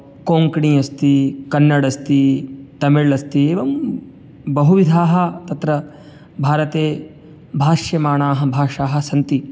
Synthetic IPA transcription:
koːŋkɳiːɐst̪ikɐnːɐɽɐst̪it̪ɐmiɭɐst̪ieːʋɐm | bɐɦuʋid̪ʱaːɦɐ̆t̪ɐt̪ɾɐ | bʱaːɾɐt̪eː | bʱaːʃjɐmaːɳaːɦɐ̆bʱaːʂaːɦɐ̆sɐnt̪i

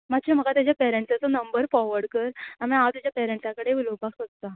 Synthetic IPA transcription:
mat̪ːɕem̤əɡat̪jat͡ɕjapɛɾəɳʈsat͡sənəmbəɾfɔʋəɽkəɾamĩaʋt̪jad͡ʑjapɛɾəɳʈsãkəɽeʋilobʱaksəst̪a

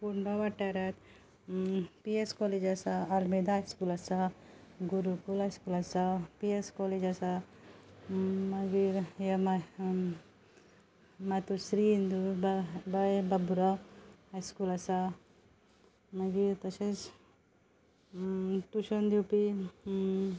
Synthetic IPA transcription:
puɾnɔʋaʈːaɾat̪ | pieskɔled͡ʒasaːlmed̪ʱaajskulasaɡuɾukulɦajskulasapieskɔled͡ʒasa | maɡiɾama | mat̪usɾiind̪ubbababuɾahajskulasa | maɡiɾt̪əses | t̪uɕənd̪iwpi

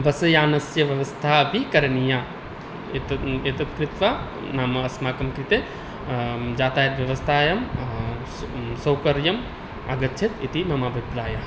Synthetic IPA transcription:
ʋɐsɐjaːnɐsjɐʋjɐʋɐst̪ʰaːbikɐɾɐnijaː | t̪et̪ɐt̪̚kɾɪt̪ʋa | naːmɐɐsmaːkɐmkɾit̪e | d͡ʒaːt̪aːjɐt̪ʋjɐʋɐst̪ʰaːjɐm | sɐwkɐɾjɐm | ɐ̰ɡɐtːʃʰit̪it̪imɐmaːbʱipɾaːjɐ

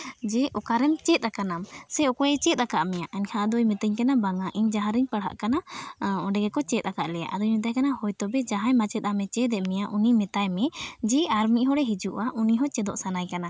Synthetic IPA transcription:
d͡ʒɛʔɔkaɾɛmt͡ʃɛt̪̚ˀakanamsɛɔkɔjɛt͡ʃɛt̪̚ˀakaʔmɛjaʔaɲkʰãʔad̪ɔjmɛt̪əɲkanabaŋaʔiɲd͡ʒaɦãɾɛɲpəɽɦa̰ʔkanaɔɖɛɡɛkɔt͡ʃɛt̪̚ˀakaʔlɛja̰ʔad̪ɔɲmɛt̪̬ajkanahɔjt̪ɔbɛd͡ʒaɦajmat͡ʃɛt̪̚ˀamɛt͡ʃɛd̪ɛʔmɛjaʔunimɛt̪ajmɛd͡ʒɛaɾmiɦɔɽɛɦɛd͡ʒuʔaʔuniɦɔt͡ʃɛd̪ɔ̰ʔsanajkana

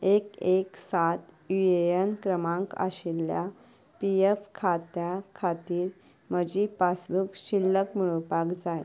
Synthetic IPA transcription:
ekeksat̪ | iejənkɾəmãŋka̰ɕilja | piefkʰat̪jakʰat̪iːɾ | məd͡ʑipasbukɕilːəkmiɭəpakd͡zaj

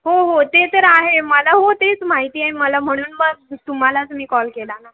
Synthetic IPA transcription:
ɦoɦot̪et̪əɾaɦeməlaɦot̪et͡smaɦit̪iːaɦeməlam̤əɽ̃uːnbəɡt̪um̤alat̪um̤iːkɔlkelana

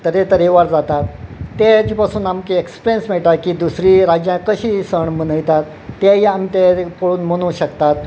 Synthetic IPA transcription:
t̪əɾet̪əɾeʋaɾd͡zat̪at̪ːed͡ʑiːpasuːnamkeekspɾensm̤ɛɭʈ̪akiːd̪usɾiːɾad͡ʑjãkəɕiːsəɳmənəjt̪at̪ː | eiamit̪epəɭuːnmənuːɕəkt̪at̪̚

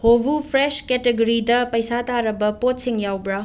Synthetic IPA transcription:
hobupʰɾesketeɡoɾidɐpɐjsataɾɐbɐpot̚siŋjawbɾa

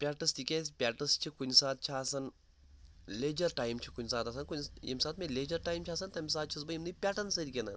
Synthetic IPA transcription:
pʲaːʈɐst̪ikʲesʲpʲaːʈɐst͡ʃʰikunsaːt̪̚t͡ʃʰaːsɐn | leːd͡ʒɐɾʈaːjmt͡ʃʰikunʲsaːt̪ɐsɐnkunʲḭmʲsaːt̪̚mʲeleːd͡ʒɐɾʈaːjmt͡ʃʰaːsɐnt̪ɐmʲs̬aːt͡ʃʰis̬bɐimnɨpʲaːʈɐnsɐɾʲikʲenɐn

